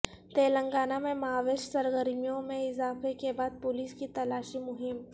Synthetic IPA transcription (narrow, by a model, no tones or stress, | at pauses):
t̪eːlə̃ŋɡaːnamẽmaːʋeːʃsɐɾɡəɾmijõmẽɪzaːfekebaːd̪̚pʊliːskit̪ɐlaːʃimʊɦɪm